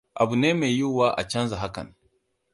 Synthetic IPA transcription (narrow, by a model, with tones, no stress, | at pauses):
ʔa˨bu˨neː˦me˨jju˦˨waː˦ʔa̰˨t͡ʃɐ˦nza˨ɦa˦kɐ̰˨n